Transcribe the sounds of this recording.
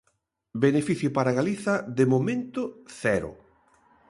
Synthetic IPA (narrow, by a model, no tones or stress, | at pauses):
benefiθjʊpaɾaɣaliθɐðemomẽnt̪ʊθɛɾʊ̰